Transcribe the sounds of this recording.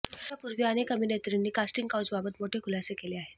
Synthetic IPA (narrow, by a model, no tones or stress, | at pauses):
apuɾʋiəñekəminet̪ɾinːiːkasʈiŋɡkawt͡sbabət̪moʈʰekulasekeleaɦe